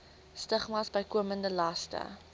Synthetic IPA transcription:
stəχmɑːsbəjkuəməndəlɐstə̰

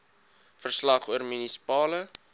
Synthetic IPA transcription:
fərslɐχuərminisi̥pɑːlə

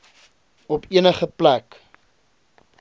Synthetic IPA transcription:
ɔpiənəχəplæk

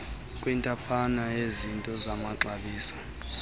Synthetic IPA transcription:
kʼwintʼapʰanaezintʼɔzamaǁaɓiːsɔ̥

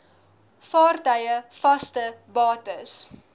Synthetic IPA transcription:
fɑːrtœjəfɐstəbɑːtəs

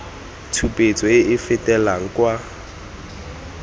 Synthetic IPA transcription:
tʰupʼet͡sʼɔɪʔɪfɪtʼɛlaŋ̩kwa

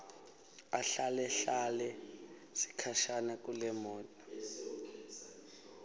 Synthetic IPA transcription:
aɬalɛɬalɛ | si̥kʰaʃanak̬ʼulɛmɔːtʼɔ

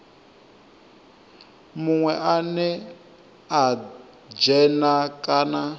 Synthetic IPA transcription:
muŋwɛʔanɛ | a | d͡ʒɛnakʼaːna

